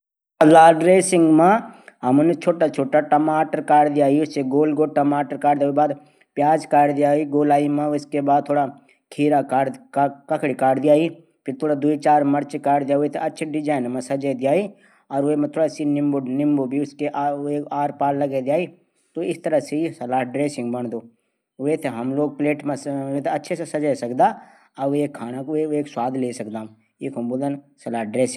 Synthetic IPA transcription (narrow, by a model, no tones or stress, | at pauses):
ɐlaːɖɾeːsɪ̃ŋɡmẽɦɐmnt͡ʃʰoːʈat͡ʃʰoːʈaʈɐmaːʈəɾkaːɽd̪ijaːiʊseɡoːlɡoːʈəmaːʈəɾkaːɽd̪jaibaːd̪ | pjaːd͡ʒkaːɽd̪ijaːiɡoːlaːimẽʊskebaːd̪̚t̪ʰoːɽa | kʰiːɾakaːɽkɐkɽikaːɽd̪ijaːi | pʰɪɾt̪ʰoːɽad̪uit͡ʃaːɾmɐɾt͡ʃkaːɽd̪ijaːoet̪ʰɐtːʃʰɖɪd͡ʒaːɪnmẽsɐd͡ʒəjd̪ijaːi | ɔːɾʋemɛ̃t̪ʰoːɽasinɪ̃mbonɪ̃mbobʱiʊskeʔaekaːɾpaːllɐɡed̪ɪjaːi | t̪oɪst̪ɐɾəɦseisɐlaːɦɖɾeːsɪ̃ŋɡbɐɳ̃d̪oː | ʋet̪ʰeɦɐmloːɡ̚pleːʈmẽset̪ʰeɐtːʃʰesesɐd͡ʒəsɐkd̪a | ɐʋeːkʰːaːnakoeeːkswaːd̪ʱleːsɐkd̪ãː | eːkɦɐ̃mbod̪ənsɐlaːɖɾeːsɪ̃